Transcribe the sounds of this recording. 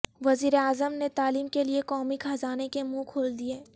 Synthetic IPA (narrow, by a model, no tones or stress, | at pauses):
ʋɐziːɾeaːzəmnet̪aːliːmkeliekɔːmikʰaːzaːnekemũkʰoːld̪ieː